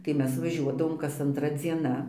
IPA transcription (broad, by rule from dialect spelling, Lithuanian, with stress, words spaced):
tɐɪ ˈmʲɛs ʋɐˈʒʲuɔdɐʋoːm kɐs ɐnˈtrɐ d͡zʲiɛˈnɐ